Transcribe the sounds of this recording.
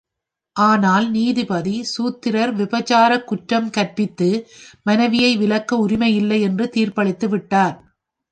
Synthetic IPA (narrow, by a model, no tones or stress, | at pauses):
ʔaːnaːlniːðɯpɐðisuːt̪ːɪɾɐɾʋɪbɐt͡ʃaːɾɐkːʊʈɾɐmkɐɾpɪt̪ːɯmɐnɐʋɪjɐɪʋɪlɐkːɐʊɾɪmɐɪjɪlːɐɪɛndrɯt̪iːɾpɐɭɪt̪ːɯʋɪʈːaːɾ